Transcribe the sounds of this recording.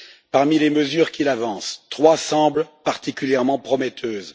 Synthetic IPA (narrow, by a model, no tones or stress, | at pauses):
paʁmileməzyʁkʲilavɑ̃st̪χwasɑ̃blpaʁt̪ikʲyljɛʁmɑ̃pχɔmɛt̪ʰøːz